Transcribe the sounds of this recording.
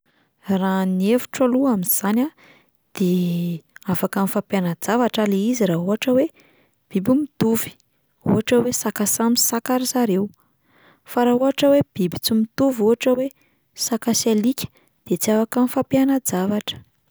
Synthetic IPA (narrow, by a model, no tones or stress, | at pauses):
ranievu̥ʈ͡ʂaluaminz̥anʲa | d̪̥e | afakanifapjanəd͡zavaʈ͡ʂaleiziraɦuɦaʈ͡ʂəwe | b̥ibumit̪uvi̥ | ṵɦaʈ͡ʂəwesakasamisakaɾizaɾew | faɾaɦuɦaʈ͡ʂəweb̥ibit͡simit̪uvuɦaʈ͡ʂəwe | sakasalikʲə̥ | d̪̥et͡siafakənifapjanəd͡zavaʈ͡ʂə̥